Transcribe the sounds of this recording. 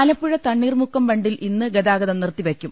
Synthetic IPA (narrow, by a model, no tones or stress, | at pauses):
aːlɐpːuɻɐt̪ɐɳːiːrmukːɐmbɐɳɖilʔinːɨɡɐd̪aːɡɐðɐmnirt̪ːiʋekʲːum